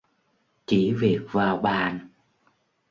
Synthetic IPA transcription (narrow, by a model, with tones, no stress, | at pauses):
t͡ɕi˧˩˦vi˨˩ək̚vaː˨˩wɓaː˨˩n